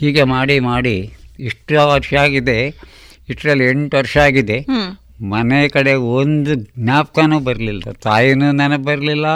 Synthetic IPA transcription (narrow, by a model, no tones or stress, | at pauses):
hiːɡe̞maːɽimaːɽiiʂʈɐʋɐɾʂɐaːɡid̪e̞ | iʂʈɾɐlːieɳʈʋɐɾʂɐaːɡid̪e̞ | mɐnekɐɽe̞ond̪uɡnaːp̚kanuːbɐɾlilːɐt̪aːjinuːnɐnɐɡbɐɾɐlilːɐ